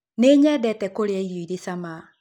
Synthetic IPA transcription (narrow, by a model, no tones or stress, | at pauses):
neːɲɛdɛtɛkoɾeɛiɾoiɾesama